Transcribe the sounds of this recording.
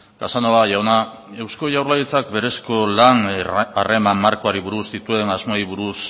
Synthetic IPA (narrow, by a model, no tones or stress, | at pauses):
kasanoaʝawna | e̞wsko̞ʝawɾlajit͡sakbe̞ɾe̞sko̞lanare̞mamːaɾko̞aɾiβuɾuzd̪it̪ue̞ŋazmaiβuɾus